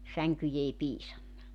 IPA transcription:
sæŋkyj ei piːsɑnːɑ

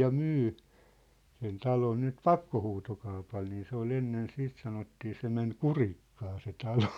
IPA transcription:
jɑ myː sen tɑlon nyt pɑkːohuːtokɑupɑl niː se ol enːen siːt sɑnotːiː se men kurikːɑː se tɑlo

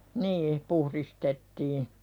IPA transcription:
niː puhɾistetːiː

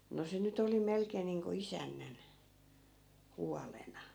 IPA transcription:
no se nyt oli melkeːn̆ niːŋko isænːæn huɑlenɑ

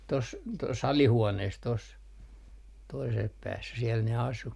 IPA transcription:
tos tos ɑlihuoneːs tos toisel pæːsːæ siɛl ne ɑsu

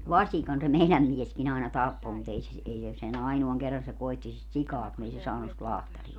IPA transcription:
ʋɑsʲikɑn se meilæm mieskin ɑinɑ tɑpːo mut ei se si ei se sen ɑinoɑŋ kerːɑn se koitːi sit sikɑː kun ei se sɑːnus sit lɑhtɑriɑ

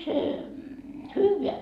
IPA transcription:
se hyːʋeæ

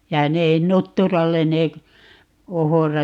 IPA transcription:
jɑ ne nutːurɑlˑen ne k ohorɑ

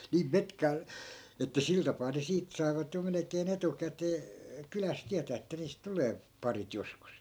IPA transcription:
niːm metkɑː etːæ sil tɑpɑː ne siːt sɑi̯ʋɑt jo melekeːn etukæteː kylæs tiætæː etːæ niːst tuleː pɑrit joskus

